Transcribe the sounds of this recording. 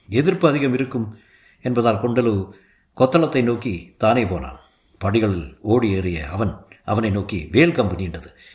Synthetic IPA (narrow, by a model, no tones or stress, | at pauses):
ɛðɪrpɯɐðɪɣɐmɪɾɯkːɯm | ɛnbɐðaːlkɔɳɖɐlɯ | kɔt̪ːɐɭɐt̪ːɐɪnoːkːit̪aːneːpoːla̰ːn | pɐɽɪɣɐɭɪloːɽieːrɪjɐɐʋɐnɐʋɐnɐɪnoːkːiʋeːɭkɐmbɐnijɳɖɐðɯ